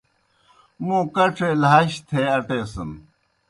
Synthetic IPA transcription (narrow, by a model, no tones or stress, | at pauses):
mũːkɐʈ͡ʂʰeːlaːɕt̪ʰeːɐʈeːsɐm